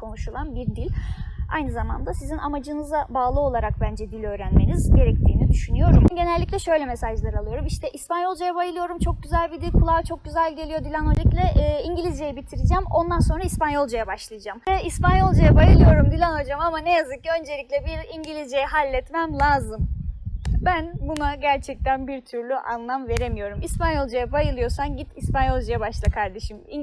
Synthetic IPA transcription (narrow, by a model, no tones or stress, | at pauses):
kʰo̞nuʃulˠanbiɾd̪ilʲa̰jnɯzama̰nd̪asizinamad͡ʒɯnɯzabaːlˠɯo̞lˠaɾak̚bænd͡ʒɛd̪ilʲø̞ːɾænmenizɟe̞ɾɛc̚t̪ʰiːnid̪yʃynyjo̞ɾumɟe̞nɛlʲːiclʲɛʃø̞jlʲɛmesaʒlˠaɾɯalˠɯjo̞ɾumiʃt̪ʰɛʔispanjo̞lˠd͡ʒajabajɯlˠɯjo̞ɾumt͡ʃʰo̞k̚ɟyzælʲbid̪ilʲkʰulˠat͡ʃʰo̞k̚ɟyzælʲɟe̞lʲijo̞d̪ilʲænolʲiklʲɛʔiɲɟilʲizd͡ʒejibit̪ʰiɾid͡ʒæmo̞nd̪anso̞nɾaispanjo̞lˠd͡ʒajabaʃlˠajad͡ʒamvɛispanjo̞lˠd͡ʒajabajɯlˠɯjo̞ɾumd̪ilʲænod͡ʒamamanejazɯk̚ø̞nd͡ʒelʲicʲlʲɛbiɾiɲɟilʲizd͡ʒejɛɦalʲːɛt̪mæmlʲˠaːzɯm | bænbunaɟæɾt͡ʃʰɛc̚t̪ʰænbiɾt̪ʰyɾlʲyʔa̰nlˠamve̞ɾemijo̞ɾumispanjo̞lˠd͡ʒajabajɯlˠɯjo̞sanɟit̪ispanjo̞lˠd͡ʒajabaʃlˠɯkʰaɾd̪e̞ʃimi